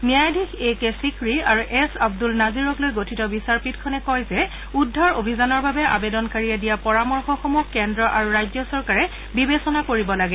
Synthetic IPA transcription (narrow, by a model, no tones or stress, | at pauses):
nijajdʱixʰekɛsikɹiaɹuʔɛsabdulnaziɹɔklojɡotʰitɔbisaɹpitkʰɔnɛkɔjzɛ | udʱːɔɹobʱizanɔɹbabɛʔa̰bedɔnkaɹiɛdijapɔɹamɔɹxɔxɔmukːɛndɹɔʔaɹuɹajzɔsɔɹkaɹɛ | bibesɔnakoɹibɔlaɡɛ